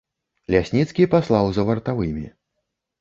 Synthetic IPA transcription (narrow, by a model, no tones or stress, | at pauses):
lʲasʲnʲit̪skʲipaslˠawzɐvɐrt̪avɨmʲḭ